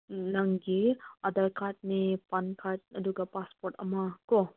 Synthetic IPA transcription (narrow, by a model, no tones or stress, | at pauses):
naŋɡiadaɾkʰaɾt̚nepankʰaɾt̚ɐduɡapaspoɾtɐ̰makɔ